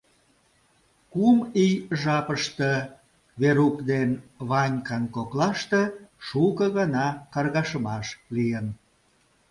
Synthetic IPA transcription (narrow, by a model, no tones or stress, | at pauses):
kumijʒɑpəʃt̪ə | βeɾukd̪enβɑnʲkɑnkoklɑʃt̪ĕʃukəɣɑnɑkɑrɣɑʃəmɑʃlijən